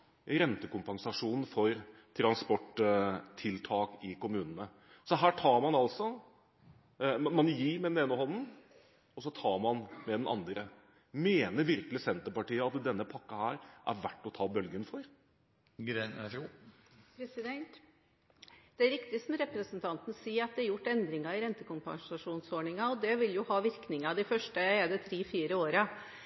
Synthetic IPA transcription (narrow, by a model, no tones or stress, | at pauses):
ɾɛnt̪əkʊmpɑnsɑʂuːnn̩fɔɾ | t̪ʰɾɑnspɔʈt̪ʰɪlt̪ʰɑːkɪkʊmʉːnən̩ə | sɔɦæːʈʰɑːɾmɑnɑlsɔ | mɑnjiːmɛd̪ɛneːnəhɔnn̩ | ɔsɔt̪ʰɑːɾmɑnmɛd̪ɛnɑ̰nd̪ɾə | meːnəɾʋɪɾkəlɪsɛnt̪əpɑʈiːəɑt̪d̪ɛnːəpʰɑkːɑhæːɾʔæ̰ɾʋæʈːɔt̪ʰɑːbœlɡənfɔɾ | pʰɾɛsɪd̪ɛnt̪ | d̪̥ɛæɾɪkt̪ɪsɔmɾɛpɾəsn̩t̪ʰɑnt̪n̩siːɑt̪̚d̪ɛæɾjʊʈːɛnd̪ɾɪŋɑɪɾɛnt̪əkʊmpɑ̰ŋsɑʂuːnsoːɳɪŋɑɔd̪ɛʋɪljʊhɑːʋɪɾknɪŋɑd̪ɪfœʂʈəɛd̪ɛt̪ʰɾiːfiːɾəoːɾɑ